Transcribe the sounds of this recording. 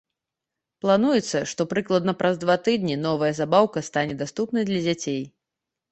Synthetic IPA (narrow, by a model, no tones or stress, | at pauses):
plˠanujɛt̪sːɐʂt̪ɔpɾɨklˠɐd̪nɐpɾɐzd̪vat̪ɨd̪nʲinɔvɐjɐzabawkɐst̪anʲɛd̪ast̪upnɐjd̪lʲɐd͡zʲat͡sʲej